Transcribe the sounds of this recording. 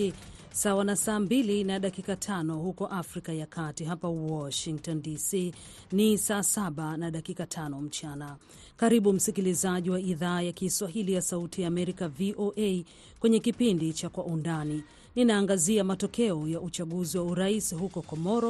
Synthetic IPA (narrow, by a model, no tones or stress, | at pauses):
sawanasaːmbilinaɗakikatʰanɔhukɔʔafɾikajakʰatiɦapawɔʃiŋk̚tɔndisiː | nisaːsaɓanaɗakikatʰanɔm̩t͡ʃana | kaɾiɓum̩sikilizaʄiwaiðaːjakiswaɦilijasautijaːmɛɾikaviʔoʔej | kwɛɲɛkipindit͡ʃakwaʔundani | ninaːŋɡaziamatɔkɛɔjaʔut͡ʃaɠuziwauɾaisiɦukɔkɔmɔɾɔ